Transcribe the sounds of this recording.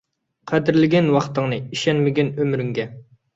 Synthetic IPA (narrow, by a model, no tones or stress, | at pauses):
qʰæd̪ɪɾlɪɡʲɛnwɑχt̪əŋnɨiʃɛnmɪɡʲɛnømɾyŋɡʲɛ